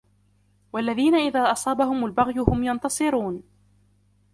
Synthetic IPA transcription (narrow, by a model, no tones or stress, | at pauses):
walːaðiːnaʔɪðaːʔɑsˤɑːbaɦʊmalbaɣjʊhʊmjɑnt̪ɑsˤɨɾuːn